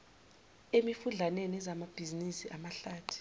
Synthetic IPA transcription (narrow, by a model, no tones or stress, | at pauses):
emifuɮanɛnɛzamab̥ʱizinisiʔamaɬaːtʰu̥